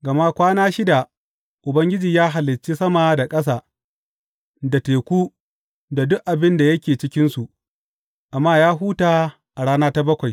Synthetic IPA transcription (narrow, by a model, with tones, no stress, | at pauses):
ɡɐ˨ma˦kʷaː˦naː˦ʃɪ˦da˨ | ʔʊ˨bɐ˦ŋɡʲɪ˦d͡ʒiː˨jaː˦ɦa˨lːɪ˨t͡ʃːi˦sɐ˦ma˨da˨kʼɐ˦s̬aː˨ | da˨teː˨kʷuː˦ | da˨dʊ˦ʔʔa˨bɪ˦nda˨jɐ˦kʲeː˨t͡ʃɪ˦kʲɪ˦nsu˨ʔ | ʔa˨mːaː˦jaː˦ɦuː˦taː˨ | ʔa˨ɽaː˦naː˦ta˦bɐ˦kʷa˨j